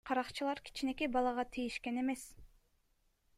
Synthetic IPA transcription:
qʰɑɾɑqt͡ʃɯlˠɑɾkʰi̥t͡ʃine̞kebɑlˠɑʁɑt̪ʰijiʃke̞ne̞me̞s

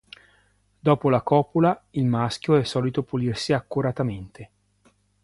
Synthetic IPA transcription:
d̪ɔːpolakɔːpolailmask̟joɛsːɔːlit̪opulirsiakːuɾat̪ament̪ʰe

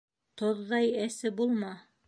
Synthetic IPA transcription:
t̪oðːɑjæsɘbulˠmɑ

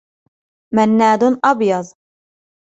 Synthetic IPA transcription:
manːaːd̪ʊnʔɑbjɑðˤ

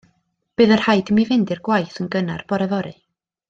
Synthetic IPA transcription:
b̥ɨðər̥hajdmivɪndɪrɡwajθənɡənarb̥ɔɾɛvɔɾɨ

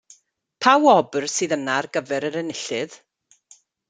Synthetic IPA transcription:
pʰawɔbrsɨːðənarɡəvɛɾəɾənɪɬɨð

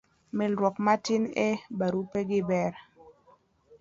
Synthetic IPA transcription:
mɪlɾwɔkmatɪnebaɾupeɡɪbɛɾ

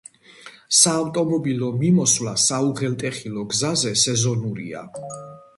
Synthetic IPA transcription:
saːft̪ʼɔmɔbilɔmimɔswlasauʁɛlt̪ʼɛχilɔɡzazɛsɛzɔnuɾḭa̰

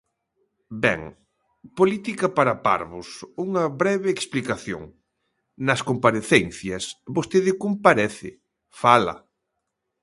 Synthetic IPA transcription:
bɛ̰ŋ | polit̪ikɐpaɾɐpa̰ɾβʊsuŋɐβɾɛβɪːksplikaθjo̰ŋ | nɐskompaɾeθɛn̟θjɐsbost̪eðɪkompaɾɛθɪ̰ | falɐ̰

